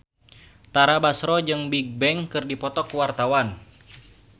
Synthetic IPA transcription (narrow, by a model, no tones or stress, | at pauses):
t̪aɾabasɾɔd͡ʒɨŋbiɡ̚bɛŋkɨrdipɔt̪ɔkuwart̪awan